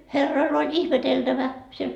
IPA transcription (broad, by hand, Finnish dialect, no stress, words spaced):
herːoil olʲ ihmeteltæʋæ siel